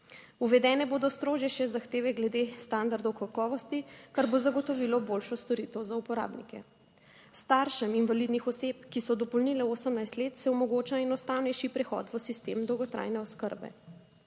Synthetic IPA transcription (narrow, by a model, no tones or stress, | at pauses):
uʋɛd̪ɛːnɛboːd̪ɔst̪ɾoːʒjɛʃɛzaxt̪eːʋɛɡlɛd̪est̪and̪aɾd̪ɔwkakɔːʋɔst̪ikaɾbozaɡɔt̪ɔʋilɔbolʃɔst̪ɔɾit̪əwzaupɔɾa̰ːbnḭkɛ̰ | st̪aɾʃɛminvalid̪nixɔsepkisɔd̪ɔpɔlnilɛoːsəmnajst̪leːt̪sɛɔmɔɡot͡ʃaɛnɔst̪awnɛjʃipɾɛxɔ̰t̪ʋəsist̪emd̪ɔwɡɔt̪ɾʔa̰ːjnɛɔskəɾbɛ̰